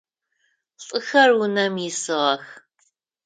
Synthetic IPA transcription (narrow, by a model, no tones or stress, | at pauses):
ɬʼɨxɐrwʊnɐmjɪsɨʁɐx